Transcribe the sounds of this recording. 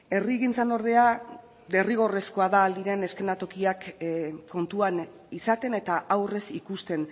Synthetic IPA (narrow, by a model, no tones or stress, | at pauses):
e̞riɣint͡sano̞ɾð̞e̞a | d̪e̞riɣ̞o̞re̞sko̞aðaːld̪iɾe̞ne̞ske̞nat̪o̞kiakː | o̞nt̪uan | isat̪e̞ne̞t̪aʔawre̞sikust̪e̞n